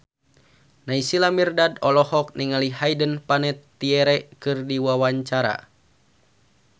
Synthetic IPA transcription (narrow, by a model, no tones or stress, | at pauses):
naisilamirdadɔlɔhɔk̚niŋalihajdənpanɛt̪ːiɛɾɛkɨrdiwawaɲt͡ʃaɾa̰